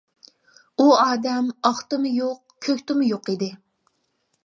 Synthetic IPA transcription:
uɑːd̪ɛmɑχt̪ɨmɨjoq | kʲʰøkʲt̪ɪmʊjoqid̪ɪ

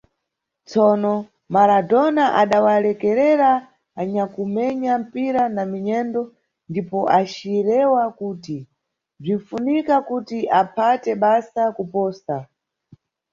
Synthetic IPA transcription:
t͡sɔnɔ | maladɔnaʔaɗawalɛkɛɾɛɾa | aɲakumɛɲam̩piɾanamiɲɛndɔ | ndipɔʔat͡ʃiɾɛwakuːti | b͡ʐinfunikakutiʔapʰatɛɓasakupɔːsa

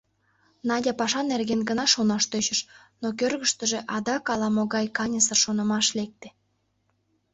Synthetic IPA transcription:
nɑdʲɑpɑʃɑnerɣenɡənɑʃonɑʃt̪øt͡ɕəʃ | nokørɣəʃt̪əʒeʔɑd̪ɑkɑlɑmoɣɑjkɑnʲəsərʃonəmɑʃlek̚t̪e̥

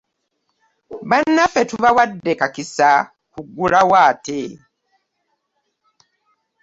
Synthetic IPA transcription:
βanːafetuβawadːekakisa | kuɡulawaːte

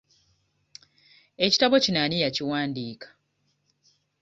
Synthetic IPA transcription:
e̞ci̥taβo̞cinaːnijaciwaːndiːkḁ

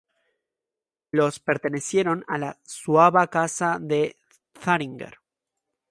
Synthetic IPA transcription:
lo̞spe̞ɾt̪e̞ne̞sje̞ɾo̞nalaswaβakasaðe̞ | θaɾiŋɡḛɾ

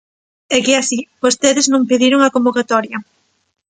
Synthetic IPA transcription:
ɛkɪasibost̪eðeznõŋpeðiɾoŋakombokat̪ɔɾjɐ

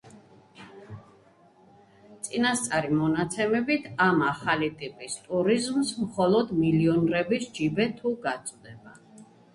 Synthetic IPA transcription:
t̪sʼinast̪sʼaɾimɔnat̪sʰɛmɛbit̪ʰamaχalit̪ʼipʼist̪ʼuɾizmsmχɔlˠɔd̪miliɔnɾɛbisd͡ʒibɛt̪ʰuɡat̪sʼwd̪ɛba

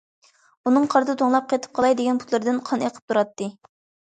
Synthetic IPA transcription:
unɨŋqʰɑɾd̪ɨt̪ʰoŋlˠɑp̚qʰet̪ʰɨ̥p̚qʰɑlˠɑjd̪eɡʲɛnpʰut̪lˠɨɾd̪ɨnqʰɑneqʰə̥p̚t̪ʰuɾɑt̪ːɨ

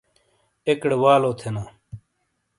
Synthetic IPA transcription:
ekɽwaːloːt̪ʰenaː

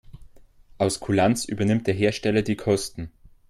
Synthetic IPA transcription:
ʔaʊskʰulant͡sʔy̰ːbɐnɪmt̚d̥eːɐɦeːɐʃtɛlɐdiːkʰɔstn̩

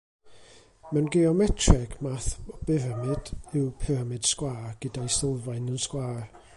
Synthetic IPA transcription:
mɛwnɡeɔmɛtʰrɛɡ̥maθɔb̥ɪɾəmɨd̥ɪwpʰɨrəmɨd̥skwaːrɡ̥ədajsɪlˠvaɨnənskwaːr

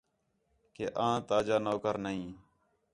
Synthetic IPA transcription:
keːʔãːt̪aːd͡ʒaːnoːkəɾnəɦĩː

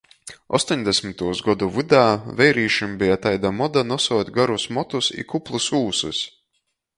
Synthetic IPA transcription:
ɔ̰st̪ɔɲʲd̪ɛsʲmit̪uɔzɡɔd̪uvud̪æːvɛjɾiːʃumbijat̪ajd̪amɔd̪anɔsuɔt̪ʲɡaɾusmɔt̪usḭkuplˠusuːsṵs

